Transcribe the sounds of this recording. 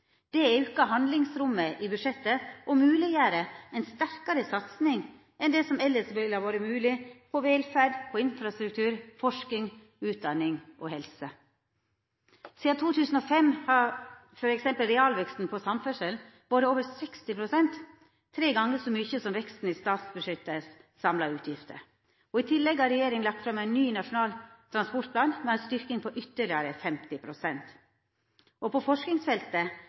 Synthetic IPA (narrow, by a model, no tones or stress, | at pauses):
d̪̥ɛɛɾʉkːəɦɑnd̪lɪŋsɾʊmːəʔibʉʂɛt̪ːəʔɔmʉːlɪəɾəɛnst̪æɾkɑɾəsɑt̪snɪŋ | ʔɛnd̪ɛsɔmɛlːəʂʋɛɪlɑɾʋoːɾəmʉːlɪpʰɔʋeːlfæɖpʰɔɪnfɾɑst̪ɾʉk̚t̪ʰʉːɾfɔʂkɪŋ | ʉːt̪̚d̪ɑnːɪŋʔoːhɛlsə | siːɑt̪ʰuːt̪ʰʉːsn̩oːfɛmhɑfɔɾɛksɛmpəlɾɛɑːlʋɛkst̪n̩pʰɔsɑmfɛʂəl | b̥oːd̪əoːʋəɾsɛkst̪ɪpʰɾʊsɛnt̪ʰː | ɾeːɡɑŋːəsɔmʏçəsɔmʋɛkst̪n̩iːst̪ɑːt̪sbəʂʏt̪ːəssɑmlɑɾʉːt̪ʰjɪft̪ʰə̰ɾ | ɔit̪ʰɪlːɛɡhɑɾɛjeːɾɪŋlɑk̚t̪fɾɑmæɪnːyːnɑʂʊnɑːlt̪ʰɾɑnspɔʈpʰlɑːnmɛæst̪ʏɾknɪŋpʰɔʔʏt̪ːəɭɪəɾəfɛmt̪ɪpʰɾʊsɛnt̪ | ʔɔpʰɔfɔʂknɪŋsfɛlt̪ə